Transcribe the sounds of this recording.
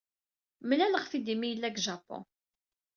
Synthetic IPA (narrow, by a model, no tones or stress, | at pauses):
mlæləʁfid̪imijəlːæɡʒɑpːɔ̰̃